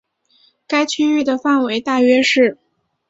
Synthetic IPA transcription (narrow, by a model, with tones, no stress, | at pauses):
ka˥ɪt͡ɕʰy˥y˥˩d̪ə˩fa˥˩nwe˧˥ɪt̪a˥˩ɥɛ˥ʂɻ̩˥˩